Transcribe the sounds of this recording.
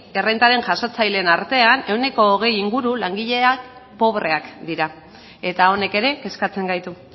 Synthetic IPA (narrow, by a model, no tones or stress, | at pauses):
erejnt̪aɾe̞ŋʝaso̞t͡sajle̞naɾt̪e̞ane̞wne̞ko̞ːɣ̞e̞jiŋɡuɾulaŋɡiʎe̞ak | po̞βre̞akd̪iɾa | e̞t̪ao̞ne̞ke̞ɾe̞ke̞skat͡se̞ŋɡajt̪u